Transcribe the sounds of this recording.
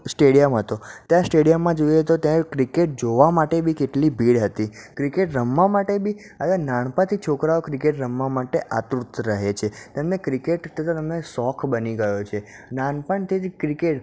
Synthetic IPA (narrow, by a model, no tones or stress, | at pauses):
sʈeɽijəmɦət̪ot̪jãsʈeɽijəmːãd͡ʒojet̪ot̪jãekɾikeʈ̚d͡ʒoʋamaʈebʱikeʈlibʱiɽɦət̪ikɾikeʈɾəmːamaʈebi | əanaɳpãt̪ʰit͡ʃʰokɾaokɾikeʈɾəmːamaʈeʔa̰t̪ɾut̪ɾəɦet͡ʃʰet̪əmnekɾikeʈt̪ʰət̪ʰat̪əmnesɔkʰbəniɡəjot͡ʃʰe | naɳpəɳt̪ʰikɾikeʈ